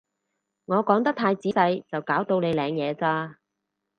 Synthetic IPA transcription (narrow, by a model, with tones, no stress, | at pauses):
ŋɔː˨˧kɔː˨˥ŋt̪ɐ˥k̚t̪ʰaː˧jt͡siː˨˥sɐ˧jt͡sɐ˨wkaː˨˥wt̪o˧wne˨˧jlɛː˨˧ŋjɛː˨˧t͡saː˧